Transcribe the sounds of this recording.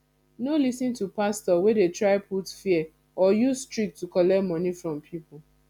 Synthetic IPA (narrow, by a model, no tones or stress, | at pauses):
nolisĩntupastɔwedetɹaɪpʰutfiɛ | ɔjuzstɹik̚tukɔlɛmɔ̃nifɹɔ̃mpʰipʊ